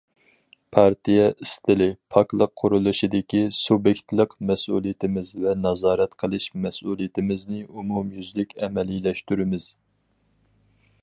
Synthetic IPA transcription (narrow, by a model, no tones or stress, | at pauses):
pʰɑɾt̪ijɛʔist̪ʰɪlɪpʰɑklˠəqʰːʊɾulˠuʃid̪ɪkʲisubjɛkʲt̪lˠəqmɛsṵlˠijɪt̪ʰɪmɪzvɛnɑzɑːɾɛt̪qʰəlˠɨʃmɛsulˠijɪt̪ʰɪmɪznɪumumjyzlykʲɛmɛlilɛʃt̪yɾɪmɪz̥